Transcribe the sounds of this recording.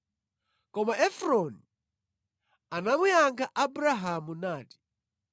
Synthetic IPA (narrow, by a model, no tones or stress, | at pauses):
kɔmaʔɛfɾɔni | anamujaŋɡaʔabɾaɦamunaːti̥